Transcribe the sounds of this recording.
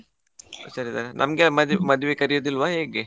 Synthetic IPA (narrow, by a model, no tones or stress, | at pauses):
sɐɾisaɾenʔɐ̰mɡemɐd̪mɐd̪ʋekɐɾijoːd̪ilːʋaɦeːɡe